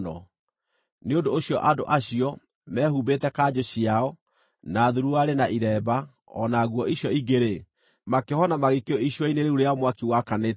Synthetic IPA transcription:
nɔ̰ | neondoːɕjɔʔado̰ʔaɕiɔ | mɛːhubetɛkad͡ʑoɕiaɔ | naðuɾuaɾenaʔiɾɛːba | ɔ̰naɣwɔʔiɕjɔiɡeɾe | makehɔnamaɣekeoiɕjɔineɾeuɾeaɔmwakiwakane

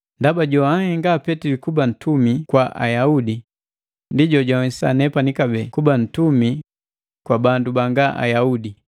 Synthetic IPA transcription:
ndabaɟɔahiŋɡaːpɛtilikuban̩tʰumikwaʔa̰jaudi | ndiɟɔɟaisa̰nɛpanikabɛkuban̩tumi | kwabandubaŋɡaʔa̰jaudi

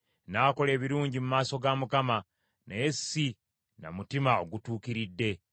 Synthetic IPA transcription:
naːko̞le̞ːβiɾuːɲɟimumaːso̞ɡamukama | najesːi | na̰mutimao̞ɡutuːkiɾidːe̞

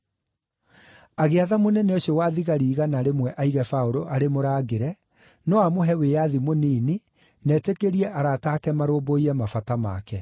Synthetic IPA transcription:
aɣeaðamonɛnɛoɕjowaðiɣaɾiːɣanaɾemwɛʔaiɣɛfaoɾoʔaɾemoɾaːɡeɾɛ | nɔamoɦɛwejaðimoniːni | nɛːtekeɾiɛʔaɾaːtaːkɛmaɾoːboiɾɛmafatama̰ːkɛ

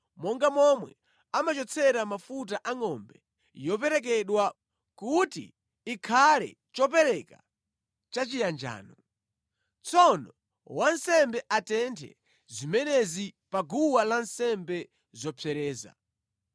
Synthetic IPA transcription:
mɔŋɡamɔmwɛ | amat͡ʃɔt͡sʰɛɾamafut̬aʔaŋɔmbɛ | jɔp̬ɛɾɛk̬ɛɗwa | kutḭː | kʰalɛ̰ | t͡ʃɔpɛɾɛka | t͡ʃat͡ʃijand͡ʒa̰ːnɔ | t͡sʰɔnɔ | wansɛmbɛʔatɛntʰɛ̰ | zimɛnɛzipaɡuwalansɛmbɛ | zɔpʰɛɾɛːza̰

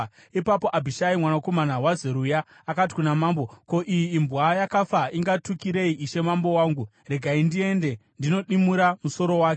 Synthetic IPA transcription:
ipapo̞ʔabʱiʃaimwanako̞manawazeɾujaː | kat̬i̥kunamaːmbo̞ko̞ʔijiːmbɣajakafaiŋɡatukiɾe̞iʔiʃe̞mambo̞waːŋɡu | re̞ɡʱaindie̞nde̞ndino̞ɗimuɾamuso̞ɾo̞waːke

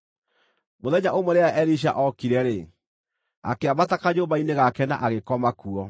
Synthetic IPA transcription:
moðɛɲaʔomoɾeaʔɛɾiɕ̬a̰ʔɔkiɾɛɾe | a̰keaβatakaɲoβaineɣakɛna̰ʔaɣekɔmakuɔ

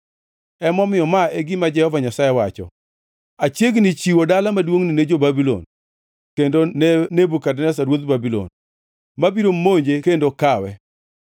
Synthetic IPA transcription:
ɛmɔmɪjɔmaeɡɪmad͡ʒɛhɔvaɲasajewat͡ʃɔ̰ | at͡ʃjeɡnɪt͡ʃiwodalamadwoŋnined͡ʒobabilɔ̰n | kendonnebukadnɛs̬aɾwot̪babilɔ̰n | mabiɾomoɲd͡ʒekendokawɛ

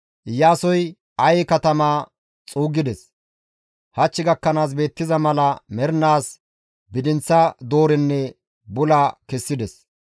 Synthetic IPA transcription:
ʔɪjːaːsɔj | ɐjɛkɐt̪ɐmaː | t͡sʼuːɡɪd̪ɛs | hɐt͡ʃːɪɡɐkːɐnaːs̬be̞ːt̪ːɪzɐmɐlɐmɛɾnaːs | bɪd̪ɪnt͡sːɐd̪o̞ːɾɪnːɛ | bʊlɐkɛsːɪd̪ɛs

